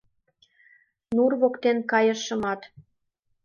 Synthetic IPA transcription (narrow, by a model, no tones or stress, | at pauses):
nurβokt̪enkɑjɤ̆ʃɤ̆mɑt̪